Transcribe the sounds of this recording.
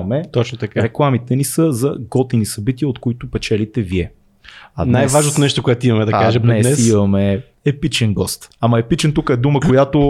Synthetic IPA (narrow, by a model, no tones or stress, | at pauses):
mɛt̪ɔt͡ʃnot̪ɐkaɾɛklˠamit̪ɛnisəzɐɡɔt̪inisɐbit̪iəot̪koit̪ʊpɛt͡ʃɛlit̪ɛviɛ | ɐdnnajvaʒnot̪onɛʃt̪okoɛt̪oimɐmɛd̪ɐaʒɛmb̪nɛsɛsimɐmɛ | ɛpit͡ʃɛnɡɔst̪amɐɛpit͡ʃɛnt̪ukəɛd̪uməkojat̪o